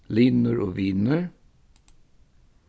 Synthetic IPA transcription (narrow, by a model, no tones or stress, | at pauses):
lɪnəɹʔoːʋɪnəɹ